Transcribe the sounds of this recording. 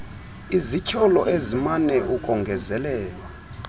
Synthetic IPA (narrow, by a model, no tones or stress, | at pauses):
izicʰɔlɔ̰ʔezimanɛʔukʼɔŋɡʱɛzɛlɛːlwa